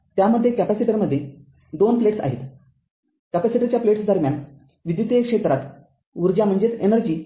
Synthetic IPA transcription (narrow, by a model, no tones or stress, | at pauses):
t̪jaməd̪ʱːjekæpæsiʈəɾməd̪ʱːje | d̪onpleʈsa̰ɦḭt̪ | kæpæsiʈəɾt͡ɕjapleʈsd̪əɾmjan | ʋid̪ʋjit̪ekʂet̪ɾat̪ | uɾd͡ʑam̤əɳd͡zet͡senəɾd͡ʑiː